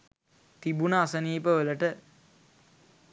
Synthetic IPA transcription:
t̪ibunəasəniːpəʋələʈə

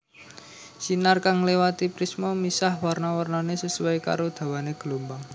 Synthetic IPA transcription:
sinarkaŋlewat̪ipɾismomisahwarnawərnanesəsuwajka̰ɾod̪̥ä̤waneɡ̥əlombaŋ

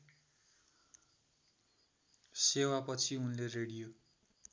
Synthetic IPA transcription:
sewapʌt͡sʰiunlereɽijo

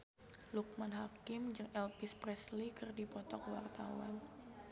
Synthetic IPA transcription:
luk̚manɦakɪmd͡ʒɨŋʔɛlpispɾɛslikɨrdipɔt̪ɔkwa̰rt̪a̰wa̰n

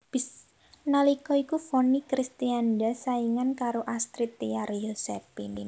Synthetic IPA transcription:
b̥is | nalikɔikufonikɾist̪iandasaiŋankaɾoʔast̪ɾit̪ːiaɾjosɛfini

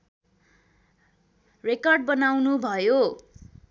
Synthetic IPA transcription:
rekʌrɖ̚bʌnawnubʱʌjo

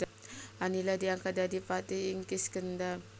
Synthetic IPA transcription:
aniladiaŋkadadipat̪iiŋkiskənda

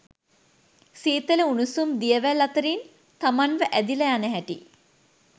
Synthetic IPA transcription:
siːt̪ələunusumd̪ijəʋælːat̪əɾin | t̪amanʋəʔæd̪iləjanəɦæʈḭ

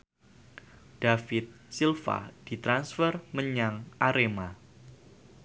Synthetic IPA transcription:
d̥afɪt̪̚silfa̰d̥it̪ɾansfərməɲaŋʔaɾema

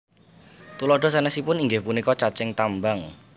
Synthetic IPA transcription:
t̪ulɔɖ̥ɔ̤sɛnɛsipʊniŋɡɪhpunikɔt͡ʃat͡ʃɪŋt̪ambaŋ

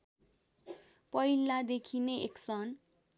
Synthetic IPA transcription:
pʌjlad̪ekʰineeksʌn

